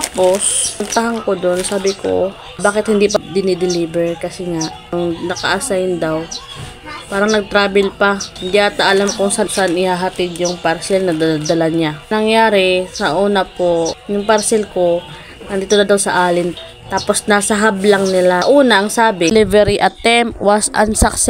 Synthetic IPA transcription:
t̪aːpo̞sʊnt̪aɦaŋkod̪o̞nsaːbɪkʰo̰ | baːkɪt̪̚hɪnd̪ipɐd̪ɪnɪd̪ɪliːbɛɹkɐsɛŋaʔ | ʊŋnɐkɐ̰ʔasajɪnd̪aw | paːɾɐŋnɐɡ̚t̪ɾaːbɛlpɐhɪnd̪iʔat̪aʔɐlamkʊŋsaasaʔanɪhaɦɐt̪ɪd̪jʊŋpɐɾsɛlnɐd̪ad̪ɐlaɲanɐŋjaːɾɪsɐʔuːnapo̞jʊŋpɐɾsɛlko̞ | nɐnd̪iːt̪onɐd̪ɐwsɐʔaːlɪn | t̪aːpo̞snaːsɐɦablɐŋnɪlaʔuːnɐʔɐŋsaːbɪlivɛɾiʔɐt̪ːɛmpwasʔɐ̰nsaksɛ

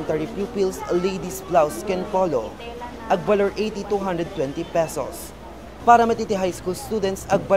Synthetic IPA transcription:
nt̪ɛɹipjuːpilslejd̪isplawskɛnfɔlo | ʔɐɡ̚bɐlɔɹʔejt̪it̪uɦɐ̃nd̪ɹɛd̪̚t̪wɛ̃nt̪ipɛso̰s | paːɾɐmɐt̪it̪iɦajskuːlst̪ud̪ɛnt̪sɐɡ̚bɐ

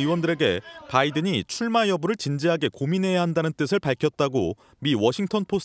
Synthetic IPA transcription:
iwʌndɯɾe̞ɡe̞̰paidɯɲit͡ɕʰuɭmajʌbuɾɯɭt͡ɕind͡ʑiɦaɡe̞kominɦe̞jaɦandanɯnt͈ɯsʰɯɭpaɭkʰjʌt̚t͈aɡo̰ | miwʌɕʰiŋtʰʌnpʰosʰ

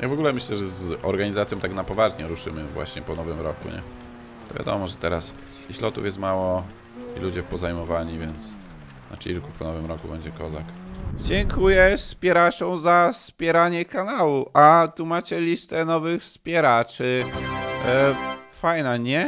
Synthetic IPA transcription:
jʔaɡvɔɡulɛmɘɕlɛʐɛzɔɾɡaɲizat̪sjɔ̃t̪aknapɔvaʐɲɛɾuʂɘmɘvwa̰ɕɲɛpɔnɔvɘmɾɔkṵɲɛ̰ | t̪ɔvʲja̰d̪ɔ̰mɔʐɛt̪ɛɾas | iɕlɔt̪ṵfjɛst̪mawɔ | ḭlud͡ʑɛpɔzajmɔvaɲivʲjɛnt̪s | na̰t͡ɕilkupɔnɔvɘmɾɔkubɛɲd͡ʑɛkɔzakd͡ʑɛŋkʰujɛspʲjɛɾat͡ʂɔ̃w̃zaspʲjɛɾaɲɛkanawuʔat̪umat͡ɕɛlʲist̪ɛnɔvɘxspʲjɛɾat͡ʂɘ | fajnaɲɛ

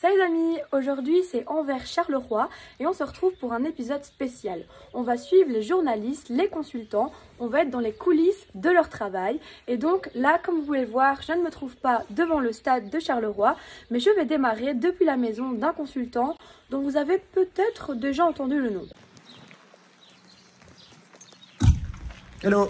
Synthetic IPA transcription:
ʃɛʁzamioʒuʁd̪ɥisɛɑ̃vɛʁʃaʁləʁwaeɔ̃səʁət̪χuvpuʁɛ̃nepizɔd̪spesjal | ɔ̃vasɥivʁleʒuʁnalist̪lekɔ̃sylt̪ɑ̃ | ɔ̃vaɛt̪χd̪ɑ̃lekʰulisd̪əlœʁt̪χavajed̪ɔ̃klakɔmvuvuleləvwaːʁʒənmət̪χuvpad̪əvɑ̃ləst̪ad̪ːəʃaʁləʁwamɛʒəvɛd̪emaʁed̪əpɥilamɛzɔ̃d̪ɛ̃kɔ̃sylt̪ɑ̃d̪̥ɔ̃vuzavepøt̪ɛt̪χəd̪eʒaɑ̃t̪ɑ̃d̪ylənɔ̰̃ | alo

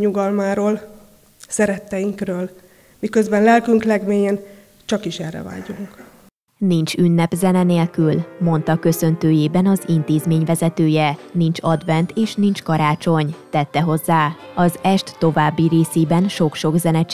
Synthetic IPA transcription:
ɲuɡɒlmaːɾoːl | sɛɾɛt̪ːɛjiŋkrøːl | mikøzbɛnlɛlkyŋklɛɡmeːjen | t͡ʃɒkiʃɛrːɛ̰va̰ːɟuŋk | nint͡ʃynːɛpzɛnɛneːlkylmo̞nt̪ɒkø̞sø̞nt̪øːjeːbɛnɒzint̪eːzmeːɲvɛzɛt̪øːjɛnint͡ʃɒd̪vɛnt̪eːʃnint͡ʃkɒɾaːt͡ʃo̞ɲt̪ɛt̪ːɛɦo̞zːaː | ɒzɛʃt̪ːo̞vaːbːiɾeːseːbɛnʃo̞kʃo̞ɡzɛnɛt͡ʃ

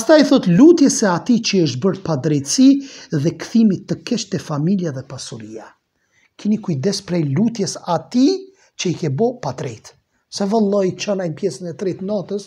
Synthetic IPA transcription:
past̪aiθɔt̪lut̪jɛsɛat̪it͡ʃəəʃ̬t̪̚bəɾpad̪ɾɛjt̪siðɛkθimit̪ːəkɛʃt̪ɛfamiljaðɛpasuɾia | kinikujd̪ɛspɾɛjlut̪jɛsat̪i | t͡ʃəikɛbɔpat̪ɾɛt̪ | sɛvɛlˠːɔit͡ʃɔnajmpjɛsənɛt̪ɾɛt̪nɔt̪əs

